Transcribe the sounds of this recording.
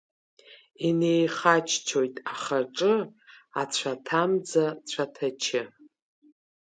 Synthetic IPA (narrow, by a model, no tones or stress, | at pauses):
ine̞jχat͡ʃʰt͡ʃʰo̞jtʼaχaʈ͡ʂʼɨa̰t͡ɕʷʰatʰamd͡zat͡ɕʷʰatʰat͡ʃʰɪ